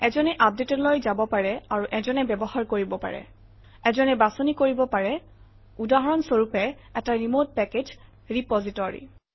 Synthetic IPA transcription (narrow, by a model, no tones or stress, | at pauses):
ɛzɔnɛʔap̚detɔlojzabɔpaɹɛaɹuʔɛzɔnɛbɛbɔhaɹkoɹibɔpa̰ɹɛ̰ | ɛzɔnɛbasonikoɹibɔpaɹɛ | udaɦɔɹɔnsoɹupɛ | ɛtaɹimod̚pɛked͡ʒ | ɹipɔzitɔɹḭ